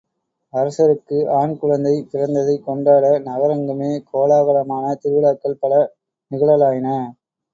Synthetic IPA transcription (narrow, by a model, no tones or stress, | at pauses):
ɐɾɐsɐɾɯkːɯʔaːɳkʊɻɐnd̪ɐɪp̪ɪɾɐnd̪ɐðɐɪkːɔɳɖaːɽɐnɐɣɐɾɐŋɡɯmeːkoːlaːɣɐɭɐmaːnɐt̪ɪɾʋɪlaːkːɐlpɐɭɐ | nɪɣɐɭɐlaːjɪnɐ